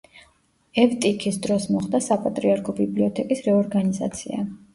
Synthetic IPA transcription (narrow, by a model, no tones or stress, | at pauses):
ɛvt̪ʼikʰisd̪ɾɔsmɔχd̪asapʼat̪ʼɾiaɾkʰɔbibliɔt̪ʰɛkʼisɾɛɔɾɡaniza̰t̪sʰḭa̰